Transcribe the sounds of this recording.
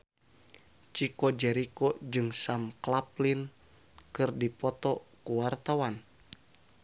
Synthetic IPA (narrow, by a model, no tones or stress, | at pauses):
t͡ʃikɔd͡ʒɛɾikɔd͡ʒɨŋsamklaplin | kɨrdipɔt̪ɔkuwart̪awan